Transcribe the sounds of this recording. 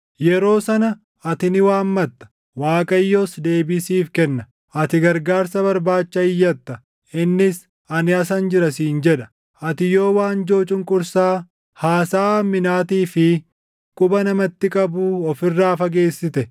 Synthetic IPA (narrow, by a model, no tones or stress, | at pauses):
jɛɾo̞ːsɐnɐ | ɐt̪ɪnɪwaːmmɐt̪ːɐ̥ | waːkʼɐjːoːsd̪e̞ːbɪsiːfkɛnːɐ | ʔɐt̪ɪɡɐɾɡaːɾsɐbɐɾbaːt͡ʃːɐɪjːɐt̪ːɐ | ɪnːɪs | ɐnɪɐsɐnd͡ʒɪɾɐsiːnd͡ʒɛᶑɐ̥ | ɐt̪ɪjo̞ːwaːnd͡ʒo̞ːt͡ʃʼʊŋkʼʊɾsaː | haːsaːmːɪnaːt̪iːfɪ | kʼʊbɐnɐmɐt̪ːɪkʼɐbuːɔfɪrːaːfɐɡeːsːɪt̪ɛ